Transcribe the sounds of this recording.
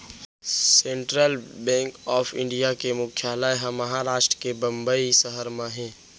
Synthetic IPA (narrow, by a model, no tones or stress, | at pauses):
sẽɳʈɾəlbɛ̃ːŋkɔːpʰɪ̰̃ɳɖijakemʊkʰjaːlaeɦəməɦaɾaːʃʈɾəkebə̃mbəisəɦəɾmãɦɛ̃ː